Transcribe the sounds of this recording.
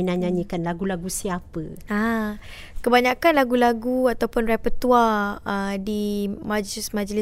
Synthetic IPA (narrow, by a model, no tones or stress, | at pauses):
nãɲãɲəkanlaɡulaɡusiapəa | kəbaɲakanlaɡulaɡuat̪awpʊnɾɛpət̪uaədimãd͡ʒlismad͡ʒlɪ